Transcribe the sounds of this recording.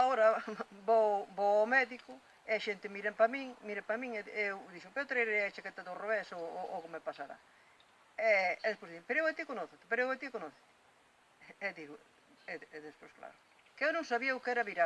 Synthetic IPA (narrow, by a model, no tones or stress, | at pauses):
aoɾɐboboawmɛðikʊ | eaʃent̪ɪmiɾempɐmiŋmiɾepɐmĩŋɛewðiʃʊpewt̪ɾeeɾejɐt͡ʃakɛt̪ɐðoroβɛsoʔokɪmepasaɾa̰ | ɛɛðespojzðiʃpeɾoewat̪ikonɔθɪt̪ɪpeɾoewat̪ikonoθe̥t̪ | ɛðiɣʊ | ɛɛðespo̰jskla̰ɾʊ | kɪewnõŋsaβiɐʊkɛɾɐβiɾa